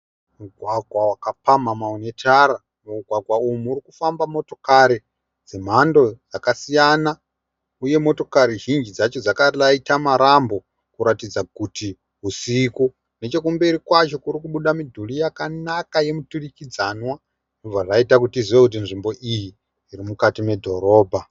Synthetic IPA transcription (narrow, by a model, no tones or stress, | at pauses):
muɡʱwaɡʱwawakapamamaune̞tʰaɾa | muɡʱwaɡʱwaumuːɾikufambamo̞to̞kaɾi | d͡zem̤ando̞d͡zakasijana | uje̞mo̞to̞kaɾiʒind͡ʒid͡zat͡ʃod͡zakarlaitamaɾambo̞ | kuɾatid͡zaɡuti | ɦusiku | ne̞t͡ʃe̞kumbe̞ɾikwat͡ʃo̞kuɾikuɓuɗamidʱulijakanakaje̞muturikid͡zanwa | inob͡vaʐaitakutiziwekut̬inʐimbo̞ʔijiː | ɾimukatime̞dʱo̞ɾo̞ːbʱa